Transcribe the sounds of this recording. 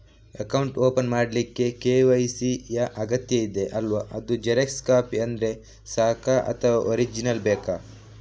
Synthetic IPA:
ɐkɐwɳʈoːpɐnmaːɖlikːe̞keːʋɐjsijɐʔɐɡɐt̪jɐid̪e̞ʔɐlʋaʔɐd̪ud͡ʒeɾekskaːpiɐnd̪ɾe̞ | saːkʰaʔɐ̰t̪ʰɐʋaoɾid͡ʒinɐlbɛːka

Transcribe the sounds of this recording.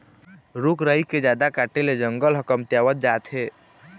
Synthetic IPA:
ɾukɾəiked͡ʒad̪akaʈeled͡ʒəŋɡəlɦəkəmt̪jaʋət̪̚d͡ʒat̪ɦe

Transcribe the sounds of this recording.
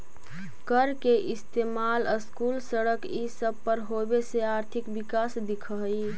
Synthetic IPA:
kəɾkeʔist̪emaləskulsəɽəkisəb̚pəɾɦobeseaɾt̪ʰikbikasd̪ikʰə | j

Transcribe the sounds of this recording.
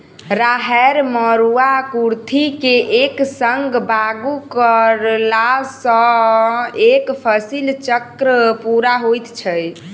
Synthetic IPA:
ɾaɦɛɾməɾuakuɾt̪ʰikeʔeksəŋɡbaɡukəɾlasə̃ | ekpʰəsilt͡ʃəkɾəpuɾaɦojt̪t͡ʃʰəj

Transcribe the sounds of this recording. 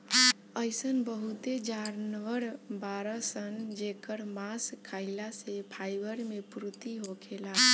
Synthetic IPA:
əjsənbəɦut̪ed͡ʒaɾnʋəɾbaɾəsənd͡ʒekəɾmaskʰːailasepʰajbəɾmepɾut̪iɦokʰela

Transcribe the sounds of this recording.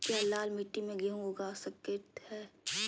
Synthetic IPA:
kjaːlaːlmiʈːimẽɡeɦũoɡasəkeːʈ̪hɛː

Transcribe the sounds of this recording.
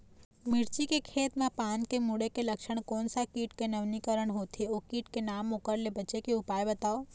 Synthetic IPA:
mɪɾt͡ʃikekʰeːt̪mãpaːnkemuɽekeləkʃəɳ̃koːnsakiːʈkenəʋnikəɾəɳ̃ɦoːt̪ʰiokiːʈkenaːmokəɾlebət͡ʃekeʊpaːjbət̪aːo

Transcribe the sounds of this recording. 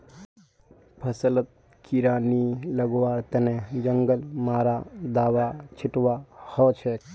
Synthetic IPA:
pʰəsələt̪̚ | kʰiɾaːniləɡʋaɾt̪ened͡ʒəŋɡəlmaɾad̪aːʋat͡ʃʰiʈʋahɔt͡ʃʰɛ

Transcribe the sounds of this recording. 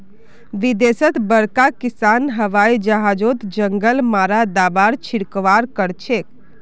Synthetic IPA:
ʋid̪esət̪bəɽkakisanɦəʋaid͡ʒəɦad͡ʒot̪d͡ʒəŋɡəlmaɾad̪abaɾt͡ʃʰiɽkʋaɾkəɾt͡ʃʰek

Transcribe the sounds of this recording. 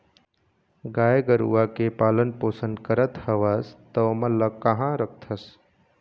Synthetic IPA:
ɡaːeɡəɾṵːakepaːlənpoːsənkəɾət̪həʋast̪əməlːəkːɐɦãɾək̚ʰt̪ʰəs

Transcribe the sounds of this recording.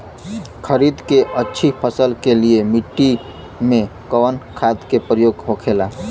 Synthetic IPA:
kʰəɾid̪keʔətːʃʰipʰəsəlkeliemiʈːi | mẽkəwənkʰad̪kepɾəjoɡɦokʰela

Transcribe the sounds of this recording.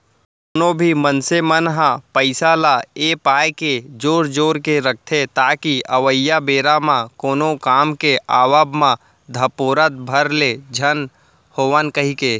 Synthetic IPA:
konõbʱimənsemənɦãpəɪsalaeːpaːjked͡ʒoːɾd͡ʒoːɾkeɾək̚ʰt̪ʰet̪aːkiəʋəjːabeːɾamãkoːnõkaːmkeʔaːʋəbmã | d̪ʱəpoːɾət̪̚bʱəɾled͡ʒʱən | hoːʋənkəɦikeː

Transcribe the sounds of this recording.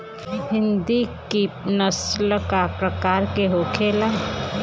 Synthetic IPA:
ɦɪ̃nd̪ikinəslkapɾəkaːɾkeɦoːkʰeːla

